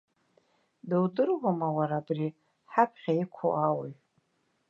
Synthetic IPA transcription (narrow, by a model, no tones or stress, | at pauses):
dɨwdɨrwamawaɾabri | ħapʰχʲaikʷʰo̰ʔawaj